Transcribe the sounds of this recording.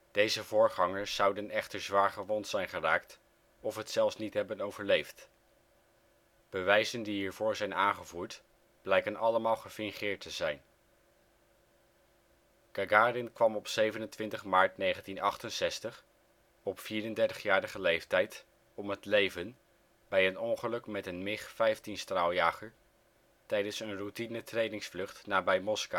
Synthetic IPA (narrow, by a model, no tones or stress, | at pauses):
d̥ejzəvʊːɹχɑŋəɹsːɑwdənɛχtəɹzʋaːɹχəʋɔntsɛjnχəraːkt | ɔfɦətsɛlˠfsnitɦɛbənowvəɹlejft | b̥əʋɛjzəndiɦiːɹvʊːɹzɛjnaːnχəvuːɹt | b̥lɛjkənɑləmaːlˠχəfɪŋχɪːɹtəzɛjn | kaɡaːɾɪnkʋɑmɔpsejvənəntʋɪntəχmaːɹtnejχəntinɑχtənsɛstəχ | ɔpfiːɾəndɛɹtə̥χjaːɾəχəlejftɛjt | ɔmɦətlejvən | bɛjənɔŋχəlɵkmɛtənmɪχfɛjftinstralˠjaːχəɹ | tɛjdənsənrutinətrejnɪŋsflɵχtnaːbɛjmɔska